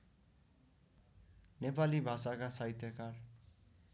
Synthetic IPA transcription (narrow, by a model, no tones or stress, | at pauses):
nepalibʱasakasajt̪jʌkar